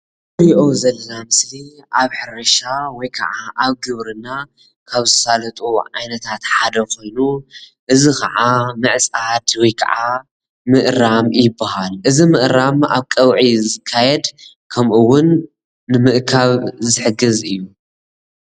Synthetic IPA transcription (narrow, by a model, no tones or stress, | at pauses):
ɨɾʔozɐlɐnamɨsliʔaβħɨɾɐʃawɔjkʰɐ̰ʕaʔaβɡɨβɾɨna | kʰaβzɨt̪ʰsalɐt̪ʼuʕa̰jnɐt̪ʰat̪ħad̪ɐko̞jnuʔɨzikɐʕamɨʕsʼad̪wɔjkʰɐ̰ʕa | mɨʔɾamjɪbːahalʔɨzimɨʔɾama̰βkʼɐwʕizɨkʰːajɛd̪ | kʰɐmʔɨwʊnː | ɨmɨʔkʰaβzɨħɨɡɨzɨjːu